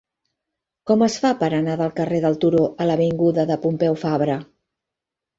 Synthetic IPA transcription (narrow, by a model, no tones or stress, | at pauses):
kɔməsfapəɾənaðəlˠkəreðəlˠt̪uɾoʔələβiŋɡuðəðəpumpɛwfaβɾə